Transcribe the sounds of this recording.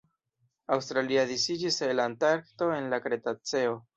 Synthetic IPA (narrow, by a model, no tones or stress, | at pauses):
awstɾaliadisid͡ʒiselantaɾkto̞e̞nlakɾe̞tat͡se̞o̞